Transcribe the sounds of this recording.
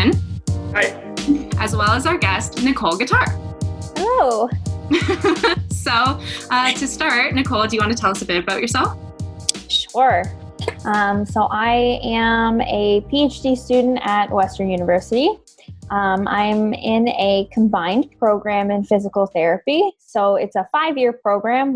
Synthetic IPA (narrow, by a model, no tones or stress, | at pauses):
naɪt̚ | ʔɨzwɛlˠəzaʊə˞ɡɛstnɨkʰoʊlˠɡɨtʰɑɹhɛloʊ | soʊʔʌtʰɨstɑɹtⁿnɨkʰoʊlˠdɨjɨwɑ̃ntʰɨtʰɛlˠʌsɨbɪɾɨbaʊt͡ʃə˞sɛlˠf | ʃʊɹ | ʔʌ̃msoʊʔaɪɨ̃mɨpʰieɪt͡ʃd̥istʉdⁿn̩tɨt̚wɛstə̃˞njʉnəvɜ˞sɨɾi | ʔʌ̃mʔã̰ɪ̃mɪ̃nɨkʰm̩bãɪ̃npʰɹ̥oʊɡɹæ̃mɨ̃nfɪzəkl̩ˠθɛɹɨpisoʊɪtsəfaɪvjɪɹpʰɹ̥oʊɡɹæ̃m